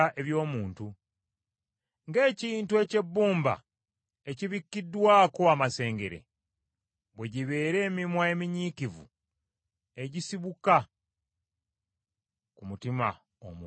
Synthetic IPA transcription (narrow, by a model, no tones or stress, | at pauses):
ʔe̞βjo̞ːmuːntu | ŋɡe̞ːciːntue̞ce̞bːuːmba̰ | eciβikːidːwaːko̞amase̞ːŋɡe̞ɾe̞̰ | βweɟiβe̞ːɾe̞ːmimwaemiɲikivṵ | e̞ɟisiβuka | kumutima̰ | o̰m